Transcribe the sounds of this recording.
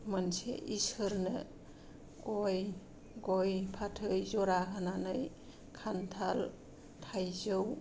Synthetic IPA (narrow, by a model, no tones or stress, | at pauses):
mənsḛʔisɯɾnɯ̰ | ɡɔj | ɡɔjpʰatʰɯjzɔɾakʰananɯj | kʰantʰal | tʰajzɯw